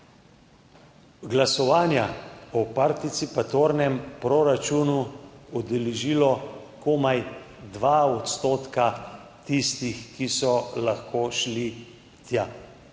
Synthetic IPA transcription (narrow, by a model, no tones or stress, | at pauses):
ɡlasɔʋaːnjaɔpaɾt̪it̪sipat̪oːɾnɛmpɾoɾat͡ʃunuɔd̪ɛleʒiːlɔ | komaj | d̪ʋaɔt̪st̪oːt̪ka | t̪ist̪ixkisɔlaxkoːʃli | t̪ja